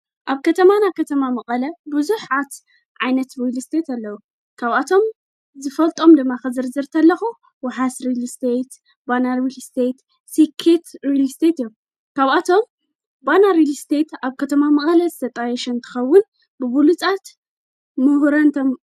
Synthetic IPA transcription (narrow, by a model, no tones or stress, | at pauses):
ʔaβkʰɐt̪ʰɐmanajkʰɐt̪ʰɐmamɐχʼɐlɐbɨzuħat̪ | ʕajnɐt̪ɾilst̪ʰet̪ɐlːɐwu | kʰaβat̪ʰo̞m | zɨfɐlt̪ʼo̞md̪ɨmːakɨzɨɾzɨɾt̪ʰɐlːɐxu | waħasɾilst̪ʰet̪ | banaɾilst̪ʰet̪ | sikʰet̪ɾilst̪ʰet̪ijum | kʰaβat̪ʰo̞m | banaɾilst̪ʰe̞t̪aβkʰɐt̪ʰɐmamɐχʼɐlɐzɨt̪ʰɐt̪ʼajɛʃɐnt̪ʰɨ̥xɐwːʊn | bɨβulut͡sʼat̪ | mɨhɾɐnt̪ʰom